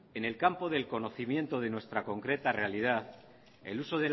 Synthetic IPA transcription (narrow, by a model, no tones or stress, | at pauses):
e̞ne̞lkampo̞ðe̞lko̞no̞θimjẽ̞nt̪o̞ð̞e̞nwe̞st̪ɾako̞ŋkɾe̞t̪are̞alið̞aθ | e̞̰luso̞ðe